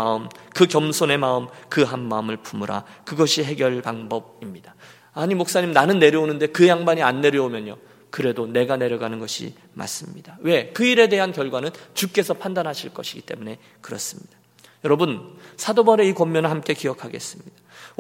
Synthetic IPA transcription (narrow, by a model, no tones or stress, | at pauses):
aɯmkɯkjʌmsʰone̞maɯmkɯɦanːaɯmɯɭpʰumuɾa̰kɯɡʌɕʰiɦe̞ɡjʌɭpaŋbʌb̚imɲid̥a | aɲimok̚s͈aɲimnanɯnːe̞ɾjʌonɯnde̞kɯjaŋbaɲianːe̞ɾjʌomjʌnjo̰ | kɯɾe̞done̞ɡane̞ɾjʌɡanɯnɡʌɕʰḭ | ma̰s͈ɯmɲid̥awe̞kɯiɾe̞de̞ɦankjʌɭɡwanɯnt͡ɕuk͈e̞sʰʌpʰandanɦaɕʰiɭk͈ʌɕʰiɡit͈e̞̰mune̞ | kɯɾʌs͈ɯmɲid̥ḁ | jʌɾʌbɯnsʰadobʌɾe̞ikʌmːjʌnɯɭhamk͈e̞kijʌkʰaɡe̞̰s͈ɯmɲid̥ḁ